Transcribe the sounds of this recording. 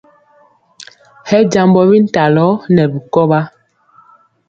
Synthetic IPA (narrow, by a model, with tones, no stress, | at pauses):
hɛ˦d͡ʒa˨mbɔ˦bi˦n̩˦˨ta˨lɔ˨˦nɛ˨bi˨kɔ˦ba˦